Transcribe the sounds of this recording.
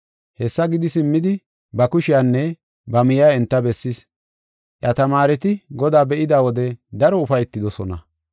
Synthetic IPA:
hɛsːɐɡɪd̪ɪsɪmːɪd̪ɪ | bɐkʊʃɪjaːnːɛ | bɐmɪjaːɛnt̪ːɐbɛsːɪs | ʔjɐt̪ɐmaːɾɛt̪ɪɡɔd̪aːbɛʔɪd̪aːwɔd̪ɛd̪ɐɾɔʊfɐjɛt̪ːɪd̪ɔsɔnɐ̰

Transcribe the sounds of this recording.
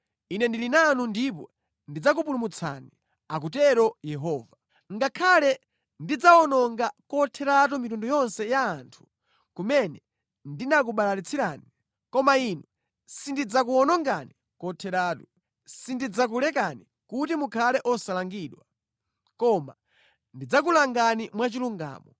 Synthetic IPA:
inɛndilinanundip̬ɔ | ndid͡zak̬up̬ulumut͡sʰa̰ni | ak̬utɛɾɔjɛɦɔːva | ŋɡakʰalɛ | ndid͡zaɔnɔŋɡakɔtʰɛɾat̬umitundɔjɔnsɛjaːntʰu̥ | kumɛnɛ | ndinak̬uɓalalit͡sʰiɾani | kɔmainɔ | sindid͡zak̬uɔnɔŋɡani | kɔtʰɛɾaːtu | sindid͡zak̬ulɛk̬ani | kutimukʰalɛʔɔsalaŋɡiːɗwa | kɔma̰ | ndid͡zak̬ulaŋɡanimwat͡ʃiluŋɡa̰ːmɔ

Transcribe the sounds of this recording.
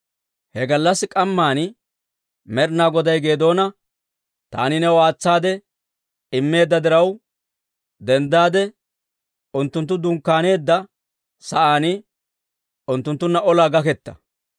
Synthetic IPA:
hɛɡɐlːɐsːɪkʼɐmːaːnɪ | mɛɾnaːɡɔd̪ɐjɡe̞ːd̪o̞ːnɐ | t̪a̰ːnɪnɛwaːt͡sːaːd̪ɛ | ɪmːe̞ːd̪ːɐd̪ɪɾɐw | d̪ɛnd̪aːd̪ɛ | ʊnt̪ːʊnt̪ːʊd̪ʊŋkːaːne̞ːd̪ːɐ | sɐʔaːnɪ | ʊnt̪ːʊnt̪ːʊnːɐʔɔlaːɡɐkɛt̪ːɐ̥̰

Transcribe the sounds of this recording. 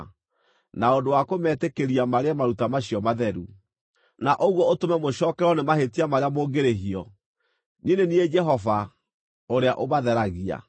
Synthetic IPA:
naondowakomɛtekeɾiamaɾeamaɾutamaɕiɔmaðɛɾu | naʔoɣwɔotomɛmoʃɔːkɛɾɔnemahetiamaɾeamoːɡeɾeɦiɔ | ninenied͡ʒɛɦɔva | oɾeaʔoβaðɛɾaɣia̰

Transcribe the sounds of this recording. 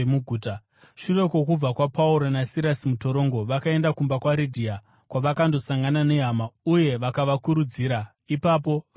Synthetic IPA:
muɡʱuːta | ʃure̞kwo̞kub͡vakwapauɾonasiɾasimuto̞ɾo̞ŋɡo̞ʋakae̞ndakumbakwaɾidʱia | kwaʋakando̞saŋɡanane̞ɦamauje̞ʋakaʋakuɾud͡ziːɾa | ipap̬o̞ʋ

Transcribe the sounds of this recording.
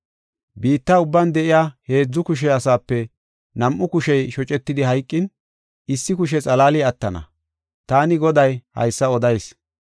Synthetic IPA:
biːt̪ːaʊbːɐnd̪ɛʔɪjaːhe̞ːd͡zːʊkʊʃ̬ɛɐsaːpːɛ | nɐmʔʊkʊʃɛjʃɔt͡ʃʼɛt̪ːɪd̪ɪɦɐjkʼːɪn | ɪsːɪkʊʃ̬ɛt͡sʼɐlaːlɪɐt̪ːɐnɐ̰ | t̪aːnɪɡɔd̪ɐjhɐ̰jsːɐɔd̪ɐjs

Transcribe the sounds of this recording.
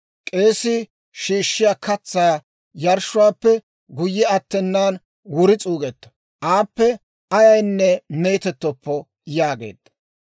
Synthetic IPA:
kʼe̞ːsɪ | ʃiːʃːɪjaːkʰɐt͡sːaː | jɐɾʃʊwaːpːɛ | ɡʊjːɛɐt̪ːɛnːaːn | wʊɾɪt͡sʼuːɡɛt̪ːɐ̥ | ʔaːpːɛ | ʔɐjɐjnːɛme̞ːt̪ɛt̪ːɔpːɔ | jaːɡe̞̰ːd̪̥ːɐ̥

